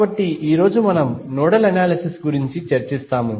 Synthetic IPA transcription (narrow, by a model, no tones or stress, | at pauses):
bɐʈːiʔiːɾo̞ːd͡ʒumɐnɐmnɔːɽɐlɐnaːlɐsisɡuɾiɲt͡ʃit͡ʃɐɾt͡ʃist̪aːmu